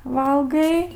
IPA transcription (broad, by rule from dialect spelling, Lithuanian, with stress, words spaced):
ˈʋɐlˠɡɐɪ